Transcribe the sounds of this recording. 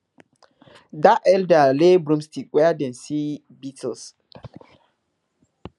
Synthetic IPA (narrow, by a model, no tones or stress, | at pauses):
daʔɛldalebɾũmstikwɛadɛ̃nsi | bitls